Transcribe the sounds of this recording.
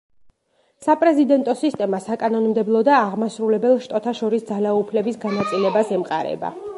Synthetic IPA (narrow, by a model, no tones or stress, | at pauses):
sapʼɾɛzid̪ɛnt̪ʼɔsist̪ʼɛmasakʼanɔnmd̪ɛblˠɔd̪aːʁmasɾulɛbɛlˠʃt̪ʼɔt̪ʰaʃɔɾisd̪zalaupʰlɛbisɡanat̪sʼilɛbasɛmqʼa̰ɾɛ̰ba̰